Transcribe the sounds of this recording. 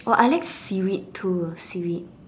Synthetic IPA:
ʔɔʔajlajksiwittʰːusiwit̚

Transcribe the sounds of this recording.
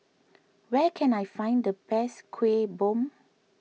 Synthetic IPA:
wɛkʰɛ̃najfãj̃ndəpɛskʰwebõm

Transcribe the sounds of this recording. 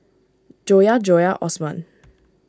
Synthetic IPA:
d͡ʒojad͡ʒɔjaʔɔ̰smãn

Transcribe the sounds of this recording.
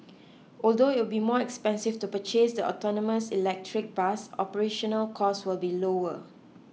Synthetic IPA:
ʔɔldoɪt̚wɪlbimɔɛkspɛ̃nsɪftupət͡ʃesdəʔɔ̰tɔnɔməsilɛk̚tʰɹɪk̚b̥asɔ̰pəɹeʃɔ̃nəlkʰɔswɪlbiloə

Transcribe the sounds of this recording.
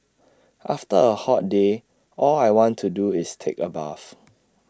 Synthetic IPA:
ʔaftəəhɔt̚de | ʔɔlajwɔ̃ntʰːuduɪstʰḛkəba̰f

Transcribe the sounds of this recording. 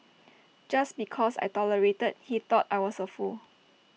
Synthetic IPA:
d͡ʒasbikʰɔsa̰jtɔləɹetəd̚hit̪ɔtajwɔsəful

